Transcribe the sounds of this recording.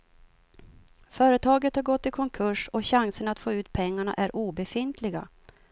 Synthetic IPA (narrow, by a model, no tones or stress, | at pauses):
fœːɾət̪ʰɑːɡət̪haɾɡɔt̪ːɪlkʰɔŋkʰɵʂɔɕaŋsənat̪foːʉ̟ːt̪pʰɛŋːaɳa̰ʔæɾʔuːbɛfɪn̪t̪ʰlɪɡa̰